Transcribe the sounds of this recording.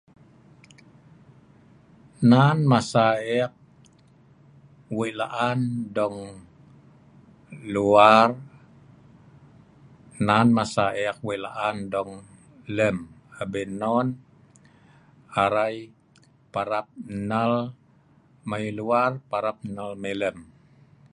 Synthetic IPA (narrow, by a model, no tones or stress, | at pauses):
nanmasaɛk̚ | wiʔlaʔandɔŋ | luar | nanmasaɛk̚weʔlaʔandɔŋ | ləm | əbənɔn | aɾaj | paɾap̚nəl | majluarpaɾap̚nəlmeləm